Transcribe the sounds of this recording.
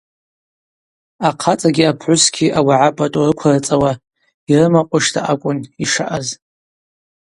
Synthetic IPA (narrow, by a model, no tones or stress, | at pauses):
aqʰat͡sʼaɡʲiapʰʕʷʊsɡʲiʔawaʕapʼatʼurɨkʷʰarɨt͡sʼawa | irɨmaqʷʼʊʂtʰa̰ʔakʷʼʊniʂaʔaz